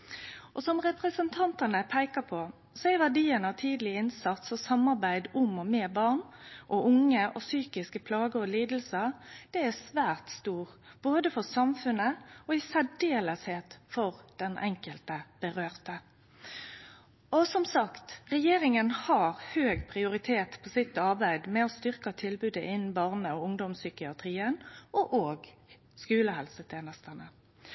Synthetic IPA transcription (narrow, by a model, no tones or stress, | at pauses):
ʔɔsɔmʁɛpɾɛsənt̪ʰɑnt̪ənəpʰæɪkɑpʰɔ | sɔɛɪʋæɖiːənəɑt̪ʰiːd̪lɪɪnsɑt̪sɔsɑmɑɾbæɪd̪ʊmɔmeːbɑʁnʔɔʔʊŋːəʔɔsyːkɪskəpʰlɑːɡəɔliːd̪l̩səd̪̥ɛæsʋæːʁt̪st̪uːʁb̥oːd̪əfɔɾsɑmfʉnəɔɪsæɖeːləsheːt̪fɔʁd̪̥ɛnʔɛŋkəlt̪əb̥əʁøːʁt̪ə | ɔsɔmsɑkt̪ʁɛjeːɾɪŋənhɑʁhøːɡpʰʁɪʊɾɪt̪ʰeːt̪pʰɔsɪt̪ːɑʁbæɪd̪mɛɔst̪ʏʁkɑt̪ʰɪlbʉːd̪əʔɪnn̩bɑʁnəɔʊŋd̪ɔmsʏkɪɑt̪ʰʁiːənʔɔʔoːɡ | skʉːləhɛlsət̪ʰeːnəst̪ənə